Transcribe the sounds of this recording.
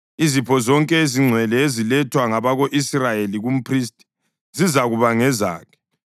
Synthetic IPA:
izipʰɔzɔŋkʼɛeziŋ͡ǀʱwɛlɛezilɛtʰwaŋaβaɣoʔisrajeliɣum̩pʰristʼi̥ | zizaɣuβaŋɛza̰ːkʰɛ̥

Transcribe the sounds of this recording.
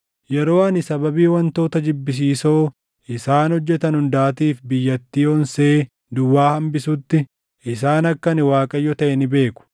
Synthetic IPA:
jɛɾo̞ːɐnɪsɐbɐbiːwɐnt̪o̞ːt̪ɐd͡ʒɪbːɪs̬iːso̞ː | ʔɪsaːnhɔd͡ʒːɛt̪ɐnhʊnd̪aːt̪iːfbɪjːɐt̪ːiːɔnseː | d̪ʊwːaːhɐmbɪsʊt̪ːɪ | ʔɪs̬aːnɐkːɐnɪwaːkʼɐjːɔt̪ɐʔɛnɪbe̞ːkʊ̥

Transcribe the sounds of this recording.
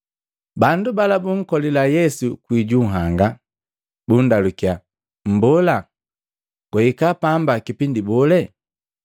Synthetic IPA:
bandubalabuŋ̩kɔlilajɛsukwiɟuɦaŋɡa | bundalukia | m̩bɔla | ɡ̥wɛikapambakipindibɔlɛ

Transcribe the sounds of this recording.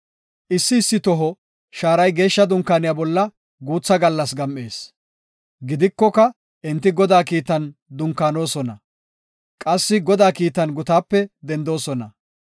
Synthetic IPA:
ʔɪsːɪːsːɪt̪ɔɦɔ | ʃaːɾɐjɡe̞ːʃːɐd̪ʊŋkːaːnɪjaːbɔlːɐ | ɡuːt͡sːɐɡɐlːɐsɡɐmʔeːs | ɡɪd̪ɪkːɔkɐ | ʔɛnt̪ːɪɡɔd̪aːkiːt̪ɐnd̪ʊŋkaːno̞ːsɔnɐ | kʼɐsːɪɡɔd̪aːkiːt̪ɐnɡʊt̪aːpːɛd̪ɛnd̪o̞ːsɔnɐ̰

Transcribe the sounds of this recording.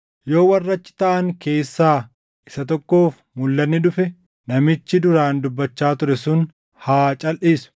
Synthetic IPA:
jo̞ːwɐrːɐt͡ʃːɪ̥t̪ɐʔɐŋke̞ːsːaː | ʔɪsɐt̪̬ɔkːo̞ːf | mʊlːɐnːɪᶑ̪ʊfɛ | nɐmɪt͡ʃːɪd̪ʊɾaːnd̪ʊbːɐt͡ʃːaːt̪ʊɾɛsʊn | haːt͡ʃʼɐlʔiːsʊ̥

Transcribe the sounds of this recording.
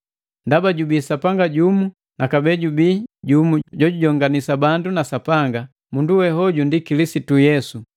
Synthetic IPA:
ndabaɟubiːsapaŋɡaɟumu | nakabɛɟubiːɟumuɟɔɟuɟɔŋɡanisabandunasapaŋɡa | munduwɛɦɔɟundikilisitujɛsu

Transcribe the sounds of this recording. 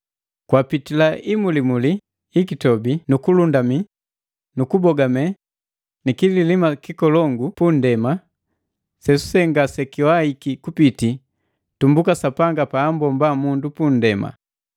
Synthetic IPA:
kwapitilaʔimulimuliː | kitɔbinukulundami | nukubɔɡamɛ | nikililimakikɔlɔŋɡupundɛma | sɛsu̥sɛŋɡasɛkiwaikikupiti | tumbukasapaŋɡapaːmbɔmbamundupun̩dɛma̰

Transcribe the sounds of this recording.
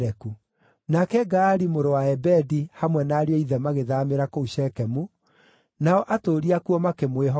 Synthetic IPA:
ɾɛku | nakɛɡaːɾimoɾowaɛbɛdihamwɛnaːɾeɔiðɛmaɣeðaːmeɾakouɕɛkɛmu | naɔʔatoːɾiakuɔmakemweɦɔ

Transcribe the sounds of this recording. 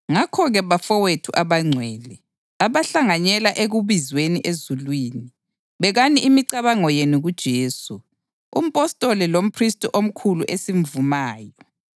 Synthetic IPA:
ŋakʰɔɣɛβafɔwetʰuʔaβaŋ͡ǀʱwɛːlɛ | aβaɬaŋaɲɛlaʔeɣuβizweniʔezulwiːni | βɛɣaniʔimiǀaβaŋɔjeniɣud̥ʒ̥ʱeːsu | ṵm̩pʼɔstʼɔlɛlom̩pʰristʼuʔom̩kʰuluʔesim̩vumaːjɔ

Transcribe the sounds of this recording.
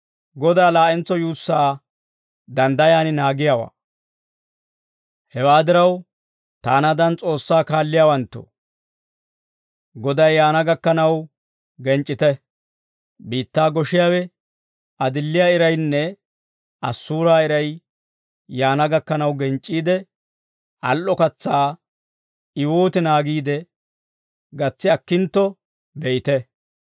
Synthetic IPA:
ɡɔd̪aːlaːʔɛnt͡sːɔjuːsːaː | d̪ɐnd̪ɐjaːnɪnaːɡɪjawa̰ː | hɛwaːd̪ɪɾɐw | t̪aːnɐd̪ɐnt͡sʼo̞ːsːaːkaːlːɪjaːwɐnt̪ːo̰ | ɡɔd̪ɐjːaːnɐɡɐkːɐnɐw | ɡɛnt͡ʃʼːɪt̪ɛ | biːt̪ːaːɡɔʃɪjaːwɛ | ɐd̪ɪlːɪjaːɪɾɐjnːɛ | ʔɐsːuːɾaːɪɾɐj | jaːnɐɡɐkːɐnɐwɡɛnt͡ʃʼːiːd̪ɛ | ʔɐ̰lʔɔkɐt͡sːaː | ɪwoːt̪ɪnaːɡiːd̪ɛ | ɡɐt͡sːɪɐkːɪnt̪ːɔ | bɛʔɪt̪ɛ

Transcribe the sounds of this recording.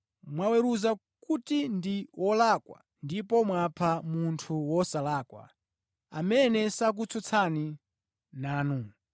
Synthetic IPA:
mwawɛɾuza | kutindiwʔɔlakwa̰ | ndipɔmwapʰamuntʰuwɔsalaːkwa̰ | amɛnɛsak̬ut͡sʰɔt͡sʰani | naːnu

